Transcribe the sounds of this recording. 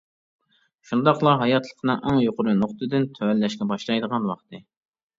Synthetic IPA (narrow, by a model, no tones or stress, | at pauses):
ʃund̪ɑqlˠɑɦɑjɑt̪ʰlˠə̥qʰnɨŋʔæŋjoqʊɾunoχt̪ɨd̪ɪnt̪ʰøælːɛʃkʲɛbɑʃlˠɑjd̪əʁɑnwɑqt̪ɨ